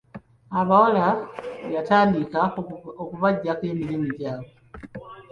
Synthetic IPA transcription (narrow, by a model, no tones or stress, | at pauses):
aβawolaβataːndikaokuβaɟakeːmilimiɟaːβo